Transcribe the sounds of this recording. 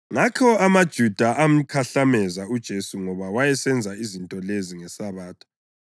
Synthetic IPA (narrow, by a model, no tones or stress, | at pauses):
ŋakʰɔamad̥ʒ̥ʱud̥ʱaʔam̩kʰaɬamɛzaud̥ʒ̥ʱesuŋɔβawajɛsɛnd͡zʱaizintʼɔleziŋɛsaβaːtʰḁ